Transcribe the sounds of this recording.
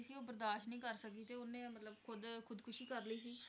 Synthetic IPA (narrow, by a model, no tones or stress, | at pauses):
siːoːbəɾd̪aːʃnəĩːkəɾsək̚d̪iːt̪eːonẽːmət̪ləbkʰʊd̪kʰʊd̪kʰʊʃiːkəɾliːsiː